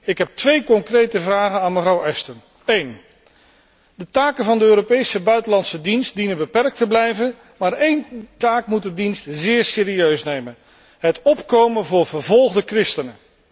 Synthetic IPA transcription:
ɪkɦɛp̚tʋejkɔŋkrejtəvraːχənaːnməvrʌwɛstən | ejn | dətaːkənvɑndəøːɾopejsəbœɥtəlɑntsədinst̚dinənbəpɛrk̚təblɛjvən | maːɹejntaːkmut̚dədinstzɪːɹsɪːɾiøɥsnejmən | ɦətɔpkowmənvʊːɹv̥əɹvɔlˠχdəkrɪstənə

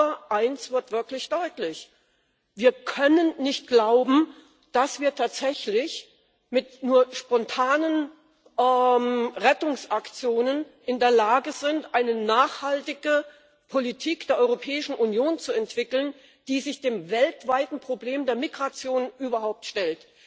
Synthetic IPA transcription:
ɐʔaɪnsv̥ɪɐtv̥ɪɐklɪçd̥ɔʏtlɪç | viːɐkʰœnənnɪçt̚ɡ̥laʊbm̩ | d̥asv̥iːɐtʰaːtz̥ɛçlɪç | mɪtnuːɐʃpɔntʰaːnən | ʔɛmʁɛtʊŋsʔakt͡sjoːnənʔɪndeːɐlaːɡəzɪntʔaɪnənaːχhaltɪɡə | pʰolitʰiːkd̥eːɐʔɔʏʁopʰɛːɪʃn̩ʔunjoːnt͡suɛntv̥ɪkl̩n | d̥iːzɪçd̥eːmvɛltv̥aɪtn̩pʁ̥obleːmdeːɐmiɡʁat͡sjoːnʔyːbɐhaʊp̚tʃtɛlt

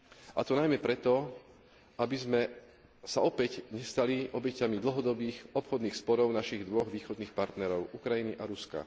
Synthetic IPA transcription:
ʔat̪ɔnajmɛpɾɛt̪ɔ | abizmɛ | saɔpɛɟɲɛst̪aliʔɔbɛcamid̪l̩ɦɔd̪ɔbiːxɔpxɔd̪niːxspɔɾɔʊnaʃiɣd̪ʋɔɣʋiːxɔd̪niːxpaɾt̪nɛɾɔʊʔukɾajiniʔaɾuska̰

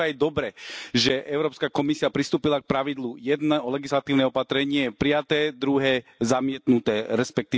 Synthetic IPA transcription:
ajd̪ɔbɾɛʒɛʔɛʊɾɔːpskakɔmisiapɾist̪uːpilak̚pɾaʋid̪lujɛd̪nɛɔlɛɡislat̪iːʊnɛɔpat̪ɾɛɲɪɛpɾijat̪ɛːd̪ɾuɦɛːzamɪɛt̪nut̪ɛːɾɛspɛk̚t̪iː

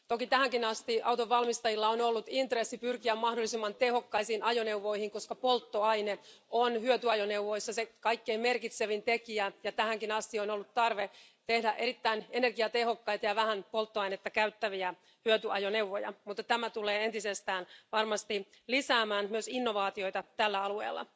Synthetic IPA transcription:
t̪okit̪æhæŋkinɑst̪iʔɑwt̪oʋːɑlmist̪ɑjilːɑonolːut̪int̪resːipyrkiæmmɑhdolːisimːɑnt̪eho̞kːɑisiːnɑjoneuʋːoihiŋkoskɑpolt̪ːoɑineonhyøt̪yɑjoneuʋːoisːɑsekɑikːeimmerkit̪seʋint̪ekiæjɑt̪æhæŋkinɑst̪ionolːut̪tɑrʋe | t̪ehdæʔeɾit̪ːæinenerɡiɑt̪ehokːɑit̪ɑjɑʋæhænpolt̪ːoɑjnet̪ːɑkæyt̪ːæʋiæ | hyøt̪yɑjonewʋːojɑ̰mut̪ːɑt̪æmæt̪uleːent̪isest̪æːnʋɑrmɑst̪i | lisæːmæːnmyøsinːo̞ʋɑːt̪io̞it̪ɑt̪ælːæɑluḛːlːɑ̰

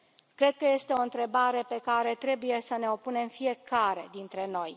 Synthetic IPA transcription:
kɾe̞d̪̚kəje̞st̪e̞o̞ɨnt̪ɾe̞baɾe̞pe̞kaɾe̞t̪ɾe̞buje̞səne̞o̞pune̞mfije̞kaɾe̞d̪int̪ɾe̞no̞j

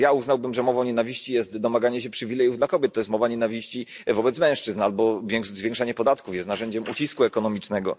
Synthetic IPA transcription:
jauznawbɘmʐɛmɔvaɔɲɛnavʲiɕt͡ɕijɛst̪d̪ɔmaɡaɲɛɕɛpʂɘvʲilɛjuvd̪lakɔbʲjɛt̪ːɔjɛst̪mɔvaɲɛnavʲiɕt͡ɕi | vɔbɛt̪smɛ̃w̃ʂt͡ʂɘznalbɔvʲjɛŋkʂzvjɛ̃ŋkʂaɲɛpɔd̪at̪kufjɛst̪naʐɛɲd͡ʑɛmʔṵt͡ɕiskuɛkɔnɔmʲit͡ʂnɛɡɔ̰

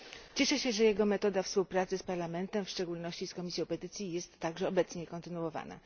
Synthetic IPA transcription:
t͡ɕɛʂɛɕɛʐɛjɛɡɔmɛt̪ɔd̪afspuwpɾat̪sɘspaɾlamɛnt̪ɛmfʂt͡ʂɛɡulnɔɕt͡ɕiskɔmʲisʲjɔ̃wpɛt̪ɘt̪sʲjijɛst̪ːaɡʐɛɔbɛt̪sɲɛkɔnt̪ɘnuwɔva̰na̰

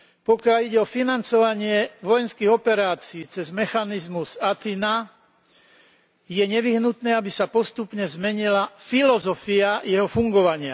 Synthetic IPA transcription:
pɔkɪaliɟɛɔfinant͡sɔʋaɲɪɛʋɔjɛnskiɣɔpɛɾaːt͡siːt͡sɛzmɛxanizmuzat̪ina | jɛɲɛʋiɦnut̪nɛːabisapɔst̪upɲɛzmɛɲilafilɔzɔfiajɛɦɔfuŋɡɔʋaɲɪa

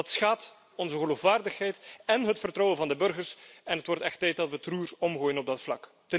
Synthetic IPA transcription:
ɑtsxaːt | ɔnzəɣəloːfʋaːrdəxɦɛjtɛnɦətfərtrɔwənvɑndəbɵrɣərsɛnɦətwɔrtɛxtːɛjt̚dɑtʋətruːrɔmɣoːjənɔb̚dɑtflɑ̰k | tə

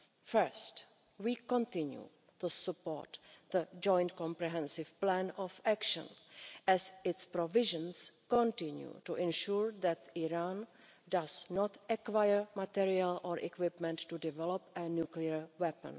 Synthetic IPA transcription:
fəɹst | wiːkɔ̃nt̪ɪ̃njṵ | tusəpo̰ːɹt̪d̪əd͡ʒɔ̃jnt̪kɔ̃mpɾɛɦɛ̃nsɪfplænɔfækʃə̰̃nʔɛzɪtspɾovɪʒə̃nskɔ̃nt̪ɪ̃njṵtuʔɛ̃nʃuːɹðɛt̪iɾan | daznɔt̪ɛkwajəɹmat̪iɾialʔoːɹʔɛ̰kwɪpmɛ̃ntːudɪvɛlopɛnjukliəɹwɛpə̰̃n

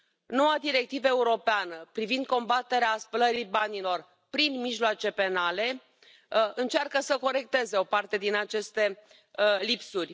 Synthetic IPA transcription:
no̞wad̪iɾe̞k̚t̪ivəe̞uɾo̞peanəpɾivind̪̚ko̞mbat̪e̞ɾeaspələɾijbanilo̞r | pɾinmiʒloat͡ʃe̞pe̞nale̞ | ɨnt͡ʃarkəsəko̞ɾe̞k̚t̪e̞ze̞o̞part̪e̞d̪inat͡ʃe̞st̪e̞ | lipsurʲ

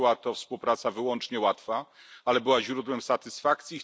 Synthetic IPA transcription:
wat̪ɔfspuwpɾat̪savɘwɔnt͡ʂɲɛwat̪fa | alɛbɘwaʑɾud̪wɛmsat̪ɘsfak̚t̪sʲji

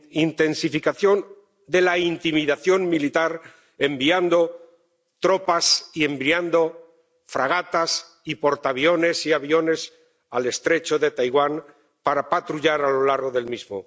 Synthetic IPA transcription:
int̪e̞nsifikaθjo̞n | d̪e̞laint̪imiðaθjo̞ŋmilit̪aɾ | e̞mbiand̪o̞ | t̪ɾo̞pasie̞mbɾiand̪o̞ | fɾaɣ̞at̪as | ipo̞ɾt̪aβjo̞ne̞siaβjo̞ne̞s | ale̞st̪ɾe̞t͡ʃo̞ðe̞t̪ajɣwan | paɾapat̪ɾuʎaɾalo̞laɾɣo̞ðe̞lmizmo̰

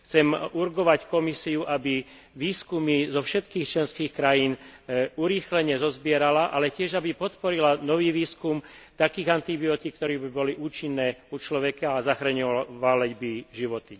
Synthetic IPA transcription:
xt͡sɛmuɾɡɔʋackɔmisiuʔabi | ʋiːskumizɔfʃɛt̪kiːxt͡ʃlɛnskiːxkɾajiːnuɾiːxlɛɲɛzɔzbɪɛɾalaʔalɛcɪɛʒabipɔt̪pɔɾilanɔʋiːʋiːskumt̪akiːɣant̪ibiɔt̪ik̚ːt̪ɔɾɛbibɔliʔuːt͡ʃinːɛːut͡ʃlɔʋɛkaazaxɾaɲɔʋalɛɟbiʒiʋɔt̪i

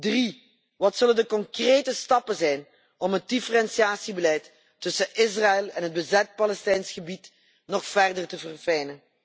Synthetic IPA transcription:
dri | ʋɑtsɵləndəkɔŋkreːtəstɑpənzɛjn | ɔmɦət̚difərɛnsiaːsibəlɛjtː | ɵsəʔɪs̬raɪlˠɛnɦəd̚bəzɛt̚pɑlɛstɛjnsxəbit | nɔxfɛrdərtəvərfɛjnən

